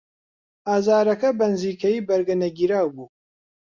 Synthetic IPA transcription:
aːzaːɾɐkɐbɐnɨziːkʰɐjiːbɐɾɡɐnɐɡiːɾaːwbuː

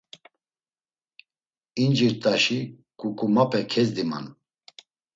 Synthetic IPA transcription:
ind͡ʒiɾt̪ʼaʃi | kʼukʼumapʰʼɛkʰɛzd̪ima̰n

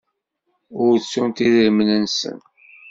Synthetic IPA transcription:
ʊɾsunt̪iðəɾmənənsə̰n

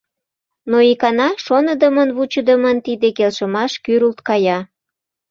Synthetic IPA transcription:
noikɑnɑʃonəd̪əmənβut͡ɕəd̪əmənt̪id̪ekelʃəmɑʃkyɾult̪kɑjɑ

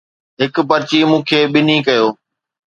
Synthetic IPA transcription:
ɦɪkpɐɾt͡ɕimũːkʰeːɓɪnikɐjoː

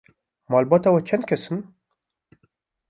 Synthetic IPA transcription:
mɑːlbɑːt̪awɛt͡ʃʰɛnd̪̚kʰʲɛsɨn

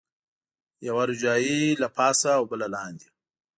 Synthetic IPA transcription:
jawaɾʊd͡ʒɑːjilapʰɑsaːwbəlalɑnd̪i

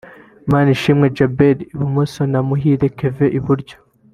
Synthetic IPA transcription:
maːniʃimŋed͡ʒabeliiβumusonamuɦiɾekeveʔiβuɾɟo

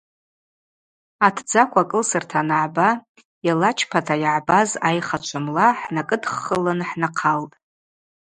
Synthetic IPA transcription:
atʰd͡zakʷʰakʼɨlsɨrtʰanaʕba | jalat͡ʃʰpʰatʰajaʕbazajχat͡ʃʷʰamlaħnakʼɨdχːəlɨnħnaqʰaltʼ

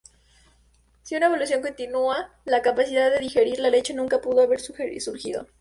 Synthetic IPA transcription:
siunaeβo̞lus̬jo̞ŋko̞nt̪inua | lakapasiðaðːe̞ðixe̞ɾiɾlale̞t͡ʃenũŋkapuðoaβe̞ɾsuxesuɾxḭðo̞̰

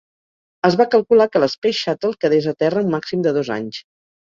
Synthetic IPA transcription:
əzβakəlˠkulakələspeʃat̪əlˠkəðezət̪ɛrəumːaksimd̪əðoza̰ɲs

